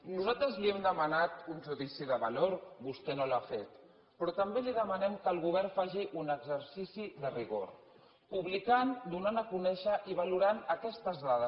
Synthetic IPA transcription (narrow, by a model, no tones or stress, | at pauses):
nuzalt̪ɾəzliɛmd̪əmənat̪unʲʒuðisiðəβa̰loɾbust̪ɛnolafet̪ | pɾɔt̪əmbeliðəmənɛmkəlˠɣuβɛɾfaʒiʔunəɡzəɾsisiðəriɣo̰ɾ | puβlikand̪unanəkunɛʃəʔiβ̞aluɾanəkɛst̪əzðaðə